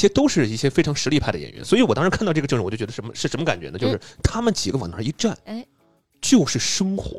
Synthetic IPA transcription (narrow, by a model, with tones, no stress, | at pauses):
i˥˩jɛ˥t̪o˥ʊʂɻ̩˥˧i˥˩ɕjɛ˥fe˥ɪʈ͡ʂʰɑ˥ŋʂɻ̩˧˥i˥˧pʰa˥˩ɪd̪ə˩jɛ̰˨˩jɥɛ̰˧˥nswɔ˥i˧˥wɔ˨˩ɑ˥ŋɻkʰa˥˧nt̪ɑ˥˧ʈ͡ʂɤ˥˩˧ʈ͡ʂɻ̩˧˨˩o˥˩t͡ɕ̪ʲʂə˧˥nmə˧ʂɻ̩˥˩ʂə˧˥nmə˧ka˨˩nt͡ɕɥɛ̰˧˥nə˧t͡ɕjo˥˧ʊʂɻ̩˥˩t̪ʰa˥mə˨nt͡ɕi˨˩ɡə˦w̰nʰə˧˥˩i˧˥ʈ͡ʂa˥˩n | t͡ɕjo˥˧ʊʂɻ̩˥˩ʂɤ˥ŋxwɔ̰˧˥